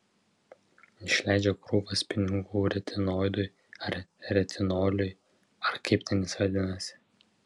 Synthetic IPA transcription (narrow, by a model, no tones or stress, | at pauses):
ɪʃʲlʲæˑɪd͡ʒʲɛkɾuːpɐspʲɪnʲɪɡuːɾʲɛt̪ʲʰɪnoːjd̪ʊj | ɐɾɾʲɛt̪ʲʰɪnoːlʲʊj | ɐɾkɐɪpt̪ʲɛnʲɪsʋɐd̪ʲɪnɐsʲɪ̥